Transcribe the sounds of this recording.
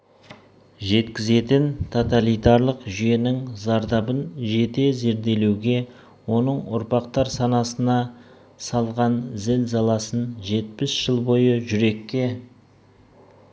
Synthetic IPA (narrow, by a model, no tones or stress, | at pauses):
ʒe̞t̪kʲɪze̞t̪ɪnt̪ʰo̞t̪alˠijt̪ɑɾlˠəqʒʏje̞nɪŋzɑɾd̪ɑbənʒe̞t̪e̞ze̞ɾd̪e̞lewɡʲe̞ | wo̞nəɴʊ̰ɾpɑqt̪ɑɾsɑnɑsənɑ | sɑlˠʁɑnzɪlzɑlˠɑsənʒe̞t̪̚pɪsʒ̥əlˠbo̞jəʒʏɾe̞kʲːe̞